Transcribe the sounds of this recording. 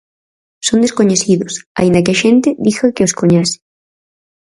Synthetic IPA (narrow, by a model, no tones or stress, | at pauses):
sond̪eskoɲesiðosa̰ĩnd̪akeaʃent̪eðixakeoskoɲase̥